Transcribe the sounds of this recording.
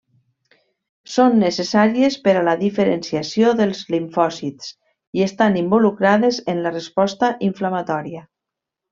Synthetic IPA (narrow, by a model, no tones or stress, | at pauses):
sonːəsesaɾiespəɾalaðifəɾensiasioðəlˠzliɱfɔzit̪s | iest̪animbolukɾaðezenlərespɔst̪aʔiɱflamat̪ɔɾia